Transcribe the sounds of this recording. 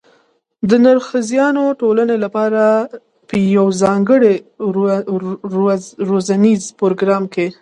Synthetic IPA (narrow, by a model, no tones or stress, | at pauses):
d̪ənaɾxəzjɑnoʈolanelapɑɾa | pəjawzɑŋɡəɽe | ɾozanizpoɾoɡɾɑmke